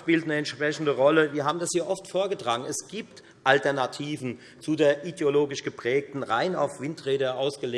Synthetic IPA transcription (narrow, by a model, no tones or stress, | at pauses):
ʃpiːltnəɛntʃpʁ̥ɛçn̩dəʁɔləviːɐɦaːbm̩dashiːɐʔɔftfoːɐɡətʁ̥aːɡŋ̩ɛsɡ̥iːpt | ʔaltɛɐnatʰiːvn̩ | t͡sudeːɐʔideoloːɡɪʃɡ̥əpʁ̥ɛːk̚tn̩ʁaɪna̰ʊfv̥ɪntʁ̥eːdəʔaʊsɡ̥əleː